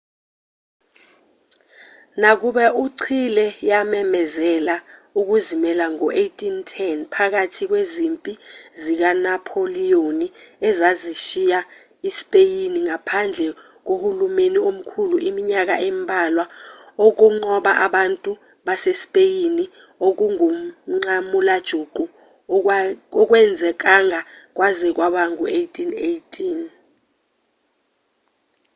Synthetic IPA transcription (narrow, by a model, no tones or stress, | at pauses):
nak̬uɓɛʔuǀʰilɛjamɛmɛzɛlauk̬uzimɛlaŋɔʔejtʼintʰɛnpʰak̬atʰik̬wezimpʼizik̬anapʰolijoniɛzaziʃija | ispʼejiniŋapʰand͡ɮʱɛ | k̬ohulumeniom̩kʰuluʔimiɲak̬a̰ʔɛmbʱalwaok̬uŋ͡ǃɔɓaʔaɓantʼu | ɓasesi̥pʼejini | ok̬uŋumŋ͡ǀamulad̥ʒ̥ʱuɡ͡ǃʱu | ɔk̬wɛnd͡zʱɛk̬aŋʱak̬wʔazɛk̬waɓaŋuejtʰʼinejtʰʼin